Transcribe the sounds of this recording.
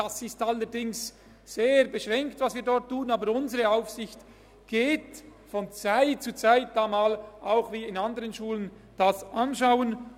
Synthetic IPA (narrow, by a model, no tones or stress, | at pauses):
d̥asɪstalːəɾdɪŋsː | eːɾbəʃʁɛŋktvɑsviːdɔʁtʰːuːnaːbəɾʊnzəʁəaʊfsɪçt | ɡ̥eːtfɔnt͡saɪt̚t͡suːt͡saɪt̚d̥amaːlʔaʊxviːɪnandəʁənʃuːlən | d̥asʔanʃaʊən